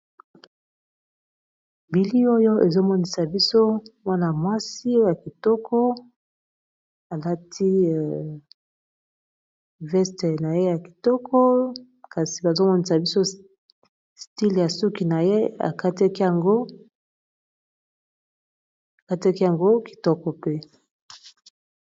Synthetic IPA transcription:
bi˨li˦o˦jo˦e˨zo˦mɔ˦ni˨sa˨bi˦so˦mwa˦na˨mwa˦si˦o˦o˦ja˨ki˨tɔ˦kʰɔ˦ | a˨la˦tʰi˦˨ | vɛ˦ste˨na˨je˦ja˨ki̥˨tɔ˦kʰɔ˦ | ka˨si˨ba˨zo˦mɔ˦ni˦sa˨bi˦so˦ | sti˦lja˨su˦ki˨na˨je˦a̰˨ka˦te˦ki˦a˨ŋɡo˦ | a˨ka˦tɛ˦ki˦ja˨ŋɡo˦ki̥˨tɔ˦kɔ˨pe˦

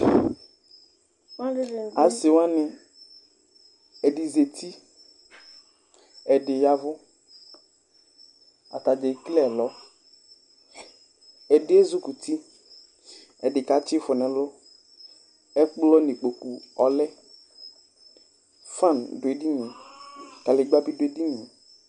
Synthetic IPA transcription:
a˨sɪ˨wa˦nɪ̃˨ | ɛ˨ɖi˨ze˨t̪i˦ | ɛ˨ɖɪ˨ja˨vʊ˦ | a̰˨t̪a˨d͡ʒe˨˦klɛ˦˨lɔ˨˦ | ɛ˨dɪ˦ɛ˦zʊ˦ku˨t̪i˦ | ɛ˨dɪ˨ka˨˦t͡ʃɪ˦fɔ˨nɛ̃˨lʊ˦ | ɛ˦k͡plɔ˦ne˨k͡po˨ku˨ɔ˨lɛ˦ | fã˦˨ndʊ˨e˨di˦ɲẽ˨ka˨lɪ˨ɡ͡ba˦bi˦dʊ˨e˨di˦ɲĩ˨

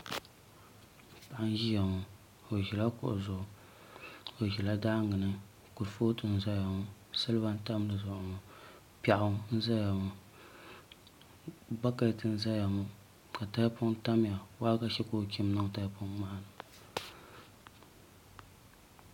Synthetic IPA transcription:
pa˨ʔa˦n˦ʒi˦ja˨ŋʊ˨ | o˨ʒi˨la˦kʊ̰˨ʔʊ̰˨zʊ˨ʔ | o˨ʒi˨la˦da˦ŋɨ˨nɨ˦ | ku˨ɾfo˦tɨ˨n̩˨za˦ja˨ŋʊ˦ | sa˦lɨ˦ba˦n˦ta˦m˦lɨ˨zʊ˨ʔʊ˨ŋʊ˨ | pa˨ʔʊ˦n̩˦za˦ja˨ŋʊ˨ | ba˦ka˨tɨ˨n̩˨za˦ja˨ŋʊ˦ | ka˨ta˦jpʊ˦ŋta˦m˦ja˨wa˦ka˦ʃɛ˦ko˦˨kʲi˦m˦nɨ˦ŋ˨ta˦jpʊ˦ŋma˦nɨ˨

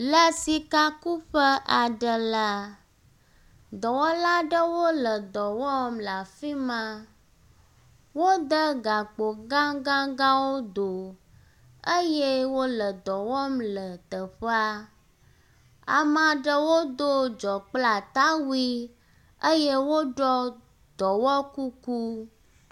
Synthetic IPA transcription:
lə˦si˨ka˦ku˦ɸə˦ʔa˨ɖə˦la˦ | d̪ɔ˨wɔ˦la˦ɖə˦wo˦lə˨d̪ɔ˨wɔ˦mla˨fi˦mã˦ | wo˦d̪ə˦ɡa˨k͡po˨ɡã˦ɡã˦ɡã˦wo˦d̪o˨ | ə˦je˦wo˦lə˨d̪ɔ˨wɔ˦mlə˨t̪ə˨ɸə˦a˦ | a̰˨mã˨ɖə˦wo˦d̪o˦d͡ʒɔ˨k͡pla˨t̪a˦wi˦ | ə˦je˦wo˦ɖɔ˦ | d̪ɔ˨wɔ˦ku˦ku˦

